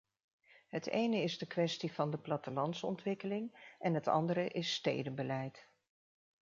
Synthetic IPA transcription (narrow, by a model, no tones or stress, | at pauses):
ɦətḛjnəɪzdəkʋɛstivɑndəplɑtəlɑnsɔ̰ntʋɪkəlɪŋʔɛnɦətɑ̰ndəɾəʔɪstḛjdəbəlɛjt